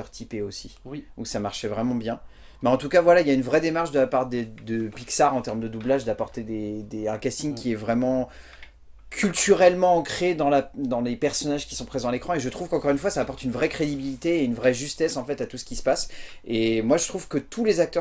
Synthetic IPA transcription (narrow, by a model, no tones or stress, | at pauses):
ʁt̪ʰipeosiɔ̃ksamaʁʃɛvʁɛmɑ̃bjɛ̃ | mɛɑ̃t̪ukavwalailjaynvʁɛd̪emaʁʃd̪əlapaʁd̪ed̪əpiksaʁɑ̃t̪ɛʁmd̪əd̪ublaʒd̪apɔʁt̪ed̪ed̪eɛ̃kast̪iɲkʲiɛvʁɛmɑ̃ | kʲʰylt̪yʁɛlmɑ̃ːkχed̪ɑ̃lad̪ɑ̃lepɛʁsɔnaʒkʲi̥sɔ̃pχezɑ̃alekχɑ̃eʒət̪χuv̥kɑ̃kɔʁynfwasaːpɔʁt̪ynvʁɛkχed̪ibilit̪eːynvʁɛʒyst̪ɛsɑ̃fɛt̪at̪usə̥kʲisə̥pasemwaʒət̪χuvkət̪ʰulezak̚t̪œʁ